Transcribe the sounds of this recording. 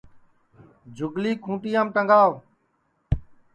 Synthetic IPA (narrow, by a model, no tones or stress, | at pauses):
d͡ʒʱʊɡliːkʰũːʈiːãːmʈəŋɡaːʋ